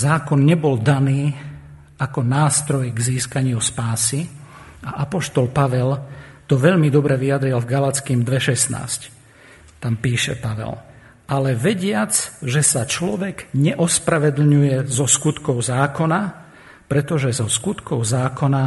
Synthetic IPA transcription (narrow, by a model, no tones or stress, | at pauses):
zaːkɔnɲɛbɔld̪aniː | akɔnaːst̪ɾɔjɡziːskaɲɪuspaːsi | aʔapɔʃt̪ɔlpaʋɛlt̪ɔʋɛʎmid̪ɔbɾɛʋiad̪ɾilvɡalat͡skimd̪ʋɛʃɛsna̰ːsc | t̪ampiːʃɛ̰paʋɛ̰l | alɛʋɛɟɪad͡zʒɛsat͡ʃlɔʋɛɡɲɛʔɔspɾaʋɛd̪l̩ɲujɛzɔskut̪kɔʊzaːkɔna | pɾɛt̪ɔʒɛzɔskut̪kɔʊzaːkɔna